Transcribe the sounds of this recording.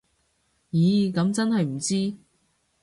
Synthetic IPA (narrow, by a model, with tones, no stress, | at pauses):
jiː˨˥kɐ˨˥mt͡sɐ˥nhɐ˨jm̩˨˩t͡siː˥